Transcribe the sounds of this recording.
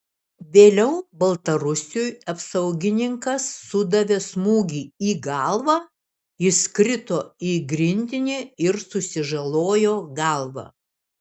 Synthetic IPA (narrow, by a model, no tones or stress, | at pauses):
ʋʲeːlʲɛʊbɐlˠt̪ɐɾʊsʲujɐpsɐʊɡʲɪnʲɪŋkɐsːʊd̪ɐʋʲeːsmuːɡʲiːiːɡɑˑlˠʋɑː | ɪskɾʲɪt̪oːiːɡɾʲɪnʲd̪ʲɪnʲeːɪɾsʊsʲɪʒɐlˠoːjoːɡɑˑlˠʋɑ̰